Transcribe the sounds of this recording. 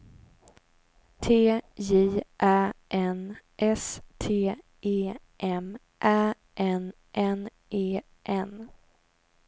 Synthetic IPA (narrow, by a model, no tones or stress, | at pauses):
t̪ʰeːjiːʔæːʔɛnʔɛst̪ʰeː | eː | ʔɛm | ʔæː | ʔɛn | ʔɛn | ʔeː | ʔɛn